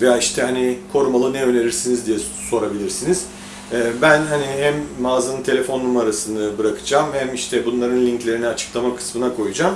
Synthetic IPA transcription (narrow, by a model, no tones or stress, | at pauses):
vejaːiʃt̪ʰɛhanipʰo̞ɾumalˠɯnɛøne̞ɾiɾsinizd̪ijɛ | so̞ɾabilʲiɾsiniz̥ | ɛːbænɦaniɦæmːaːzanɯnt̪ʰe̞lʲe̞fo̞nːumaɾasɯnd̪abɯɾakʰɯ̥d͡ʒaːmhæmiʃt̪ʰɛbunlˠaɾɯnlʲiɲclʲe̞ɾinɛat͡ʃʰɯ̥klˠamakʰɯ̥smɯnakʰo̞jud͡ʒaːm